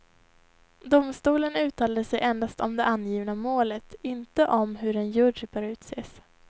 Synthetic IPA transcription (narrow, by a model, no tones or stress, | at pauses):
d̪ʊmst̪uːlənʉ̟ːt̪ʰɑːlad̪əsɛjʔɛnd̪ast̪ɔmd̪ɛʔanjiːvnamoːlət̪ɪnt̪əʔɔmɦɵɾɛnjɵɖbœːɾʉ̟ːt̪seːs